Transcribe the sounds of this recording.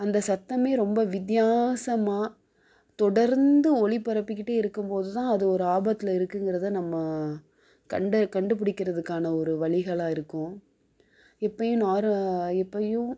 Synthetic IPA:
ɐnd̪ɐsɐt̪ːɐmeːɾɔmbɐʋɪd̪jaːsɐmaː | t̪ɔɽɐɾnd̪ɯɔɭɪpːɐɾɐpːɪkːɪʈːeːɪɾɯkːɯmpoːðɯt̪ãːɐðɯɔɾɯaːbɐt̪ːɪlɐɪɾɯkːɯŋɡɪɾɐðɯnɐmːɐ | kɐɳɖɐkɐɳɖɯp̬ɪɽɪkːɪɾɐðɯkːaːnɐɔɾɯʋɐɭɪɣɐɭaːɪɾɯkːʊ̃ | ɛpːɐjʊ̃naːɾɛpːɐjʊ̃

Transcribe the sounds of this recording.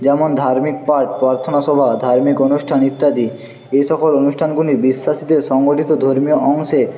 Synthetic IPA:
d͡ʑɛmond̪ʱaɾmik̚paɾʈpɾaɾt̪ʰonaʃɔbʱad̪ʱaɾmikonuʃʈʰanit̪ːad̪i | eʃɔkolonuʃʈʰanɡunibiʃːaʃid̪eɾʃɔŋɡoʈit̪od̪ʱoɾmioʔɔŋʃe

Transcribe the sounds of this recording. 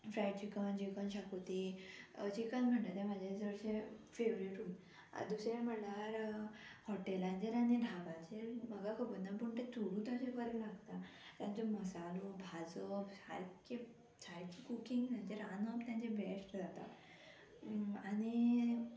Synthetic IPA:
fɾajɖt͡ɕikənd͡ʑikənɕakot̪id͡ʑikanm̤əɳʈat̪ẽmad͡ʑʱasəəɾɕefeʋɾeɾuːn | a̰d̪usɾem̤əlaɾhɔʈelãnd͡ʑeɾaneɖʱabãd͡ʑeɾməɡakəbənːapuɳʈẽt̪ʰuɽũt̪ãsekəɾelaɡt̪at̪jãnt͡soməsalobʱad͡zəpsa̰jke | sʰajkikukiŋɡt̪ãɲd͡ʑeɾanəpt̪jãɲt͡ɕẽbesʈd͡zat̪a̰ | ani

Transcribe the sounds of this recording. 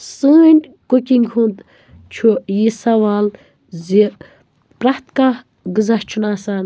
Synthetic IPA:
səːnʲkukʲiŋɡɦund̪ | t͡ʃʰujisɐʋaːl | zi | pɾaht̪ka | ɡɨzɐht͡ʃʰunaːsaːn

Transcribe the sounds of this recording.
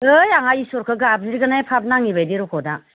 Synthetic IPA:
ɯjaŋaisɔɾkʰɯɡab̚ziɾɡanajpʰap̚naŋibajdiɾɔkʰɔda

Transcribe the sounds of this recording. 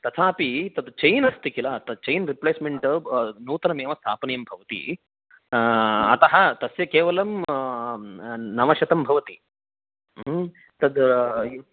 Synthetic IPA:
t̪ɐt̪ʰaːɐpit̪ɐd̪t͡ʃɐjnɐst̪ikilaːt̪ɐt͡ʃɐjnɾipleːsmeɳʈɐnuːt̪ɐnɐmeːʋɐst̪ʰaːpɐnɐjɐmbʱɐʋɐt̪ḭ | ɐ̰t̪ɐɦɐt̪ɐsjɐkeːʋɐlɐm | nɐʋɐʃɐt̪ɐmbʱɐʋɐt̪i | t̪ɐd̪

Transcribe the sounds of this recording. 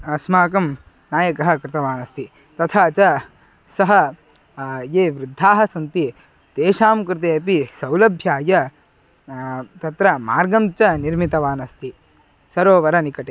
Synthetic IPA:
ɐsmaːkɐm | naːjɐkɐɦɐ̆kɾɪt̪ɐʋaːnɐst̪i | t̪ɐt̪ʰaːt͡ʃɐ | sɐɦɐ | jeːʋɾud̪ʱːaːɦɐsɐnt̪i | d̪̥eːʃaːmkɾɪt̪̬eːɐpisɐwlɐbʱjaːjɐ | t̪ɐt̪ɾɐmaːɾɡɐmt͡ʃɐniɾmit̪ɐʋaːnɐst̪i | sɐɾoːʋɐɾɐnikɐʈe

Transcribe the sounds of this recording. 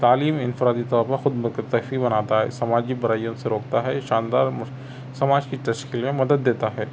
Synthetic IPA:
t̪aːliːmɪnfɾaːd̪it̪ɔːɾpɐɾxʊd̪mɐkəɾt̪ɐfibɐnaːt̪aɦɛ̰ːsɐmaːd͡ʒikbɐɾaːijõseɾoːk̚t̪aɦɛʃaːnd̪aːɾm | sɐmaːd͡ʒkiʈɐʃkɪlmẽmɐd̪əd̪̚ːeːt̪aɦɛː

